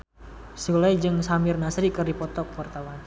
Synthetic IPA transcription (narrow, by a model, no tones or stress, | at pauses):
sulajd͡ʒɨŋsamɪrnasɾikərdipɔt̪ɔk̚wart̪awan